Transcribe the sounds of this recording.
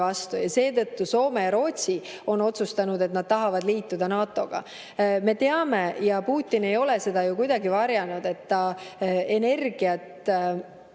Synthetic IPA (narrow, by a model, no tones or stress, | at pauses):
vɑst̪ujɑse̞ːt̪ɤ̞t̪ːuso̞ːme̞jɑɾo̞ːt̪ʲsi | o̞no̞t̪sust̪ɑnud̪e̞t̪̚nɑd̪̚t̪ɑɦɑvɑd̪liːt̪ːud̪ɑnɑːt̪ːˑo̞ɡ̥ɑ̰ | me̞t̪e̞ɑme̞jɑpuːt̪ːˑine̞jo̞le̞se̞d̪̥ɑjukujd̪̥ɑɡivɑɾjɑnud̪e̞t̪ːɑe̞ne̞rɡ̥iɑt̪